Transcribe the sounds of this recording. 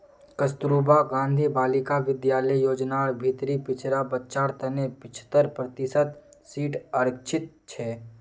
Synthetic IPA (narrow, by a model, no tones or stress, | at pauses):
kəst̪ɾuːbaɡãːnd̪ʱibaːlɪkaʋɪd̪jaːləijoːd͡ʒnaɾbʱit̪ɾipɪt͡ʃɾabətːt͡ʃaːɾt̪ɐnepɪt͡ʃʰt̪əɾpɾət̪ɪsət̪siːʈəɾkt͡ʃʰɪt̪̚t͡ʃʰɛː